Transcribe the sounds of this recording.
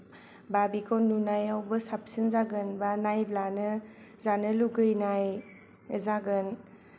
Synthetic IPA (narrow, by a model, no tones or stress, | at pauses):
babikʰɔnunajawbɯsap̚sinzaɡɯnbanajblanɯ | zanɯluɡɯjnaj | zaɡɯn